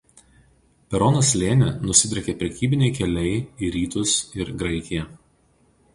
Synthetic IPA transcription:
pʲɛɾɔnoslʲeːnʲɛnʊsʲɪd̪ʲɾʲɛkʲeːpʲɾʲɛkʲiːbʲɪnʲɛɪkʲɛlʲɛɪiɾʲiːt̪ʊsɪɾɡɾɐɪkʲɪjɛ

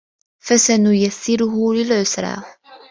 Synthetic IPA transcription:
fæsænujæθθiɾuɦuɾilʕʊsɾa̰f

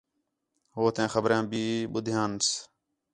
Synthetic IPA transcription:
ɦoːt̪ẽːxəbɾjãːbiːɓʊd̪ʱjãːns

